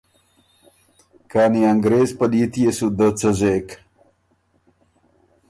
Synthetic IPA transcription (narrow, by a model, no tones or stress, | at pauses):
kaːniaŋɡɾeːzpəlit̪ijesud̪ət͡səzek